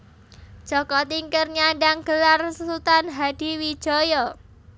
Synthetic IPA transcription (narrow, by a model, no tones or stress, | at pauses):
d̥ʒ̥ɔkɔt̪iŋkərɲaɖaŋɡ̥əlarssut̪anɦad̥i̤wid̥ʒ̥ɔjɔ